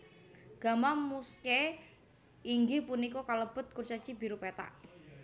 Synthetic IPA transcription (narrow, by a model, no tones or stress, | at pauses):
ɡ̥a̤mamuskɛ | iŋɡipunikɔkaləb̥ʊ̤t̪̚kurt͡ʃḁt͡ʃibiɾupet̪a̰ʔ